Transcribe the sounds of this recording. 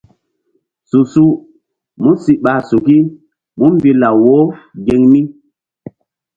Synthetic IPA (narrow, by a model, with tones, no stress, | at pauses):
su˨su˦ | mu˦si˦ʔɓa˨su˨ki˦ | mu˦m˦bi˦la˨wo˦ɡe˨ŋmi˦